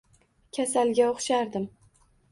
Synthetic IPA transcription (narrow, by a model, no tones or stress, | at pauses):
kʲʰasalɡʲaoχʃaɾd̪ɪm